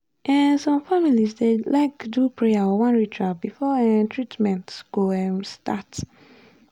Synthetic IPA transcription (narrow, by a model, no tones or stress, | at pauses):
ʔɛ̃nsɔ̃mfamilisdelaɪkdupʰɹɛaɔwãnɹitʰɹabifɔɛ̃ntʰɹitmɛ̃ntsɡuɛmsta̰t